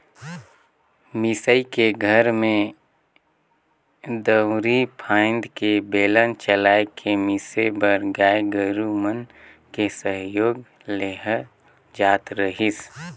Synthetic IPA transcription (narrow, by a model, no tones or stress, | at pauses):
mɪsəikeɡʱəɾmẽ | d̪əwɾipʰãːɪ̃nd̪kebeːlənt͡ʃəlaːekʰemisebəɾɡaːeɡəɾumən | kesəɦjoːɡ | leɦə | d͡ʒaːt̪ɾəɦis